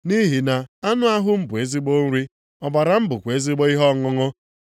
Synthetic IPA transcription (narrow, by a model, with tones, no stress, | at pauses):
ni˦ɦi˨na˨a˦nʊ˦a˦ɦʊ˦m̩˦bʊ˨e˦zi˦ɡ͡bo˦n̩˦ɾi˦ | ɔ˨ba˨ɾa˨m̩˦bʊ˨kʷe˦zi˦ɡ͡bɔ˦i˦ɦɔ˦˨ŋɔ˦ŋɔ˦